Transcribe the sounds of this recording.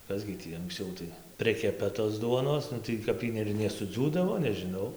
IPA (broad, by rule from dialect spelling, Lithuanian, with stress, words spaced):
ˈkɐs ɡʲɪ ˈtʲiː ɐŋksʲˈt͡sʲɛʊ tɐɪ ˈpʲrʲɪkʲɛpɐ toːs ˈduɔnoːs tɐɪ kɐp ˈiː ɪr nʲɛsʊˈd͡zʲuːdɐʋoː nʲɛʒʲɪˈnɐʊ